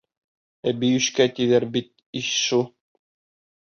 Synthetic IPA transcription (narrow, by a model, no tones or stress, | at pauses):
æbijɵ̆ʃkæt̪iðæɾbit̪̚ | iʃʃu